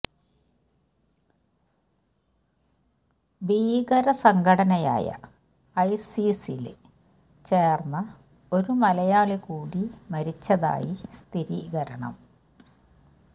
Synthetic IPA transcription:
biːɣɐɾɐsɐŋɡʱɐɽɐnɐja̰ːjɐ̰ | ɐjsisil | t͡ɕe̞ːrnːɐ | o̞ɾumɐlɐjaːɭikuːɽimɐɾit͡ɕːɐða̰ːjist̪ʰiɾiːɣɐɾɐɳɐ̰m

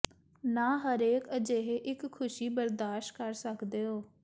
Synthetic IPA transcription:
naːɦəɾeːkəd͡ʒeːɦeʔɪkʰːʊʃiːbəɾd̪aːʃʈkəɾsəkd̪eːɦoː

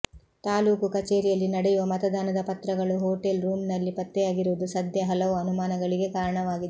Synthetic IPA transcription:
t̪aːluːkukɐt͡ʃeːɾijɐlːinɐɽɛjuʋɐmɐt̪ɐd̪aːnɐd̪ɐpɐt̪ɾɐɡɐɭuɦoːʈelɾuːmnɐlːipɐt̪ːɛjaːɡiɾuʋud̪usɐd̪ʱjɐɦɐlɐʋuɐnumaːnɐɡɐɭiɡe̞kaːɾɐɳɐʋaːɡid̪

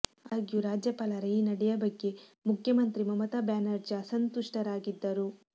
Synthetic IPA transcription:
aːɡjuɾaːd͡ʒjɐpaːlɐɾɐjinɐɽɛjɐbɐɡːe̞mukʰjɐmɐnt̪ɾimɐmɐt̪aːbjaːnɐɾd͡ʒasɐnt̪uʂʈɐɾaːɡid̪ːɐɾu

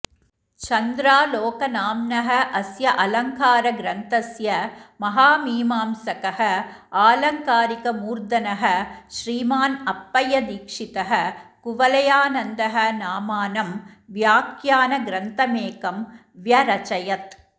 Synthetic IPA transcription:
t͡ʃɐnd̪ɾaːloːkɐnaːmnɐɦɐʔɐsjɐʔɐlɐŋkaːɾɐɡɾɐnt̪ɐsjɐmɐɦaːmiːmaːmsɐkɐɦɐaːlɐŋkaːɾɪkɐmuːɾd̪ɐnɐɦɐʃɾiːmaːnɐpːɐjɐd̪iːkʂɪt̪ɐɦɐkʊʋɐlɐjaːnɐnd̪ɐɦɐnaːmaːnɐmʋjaːkjaːnɐɡɾɐnt̪ɐmeːkɐm | ʋjɐɾɐt͡ʃɐjɐt̪

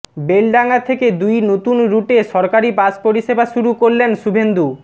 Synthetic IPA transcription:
belɖaŋat̪ʰeked̪ujnot̪unɾuʈeʃɔɾkaɾipaspoɾiʃebaʃuɾukoɾlenʃubʱend̪u

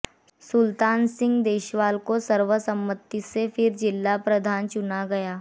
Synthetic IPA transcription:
sʊlt̪aːnsɪ̃ŋɡd̪eːʃʋaːlkosəɾʋəsə̃mbət̪ːisefʰɪɾd͡ʒɪlːapɾɐd̪ʱaːnt͡ʃʊnaɡɐjaː

